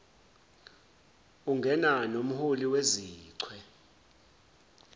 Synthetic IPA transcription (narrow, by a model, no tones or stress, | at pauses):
uŋɡʱɛnanom̩huliweziːǀʰwɛ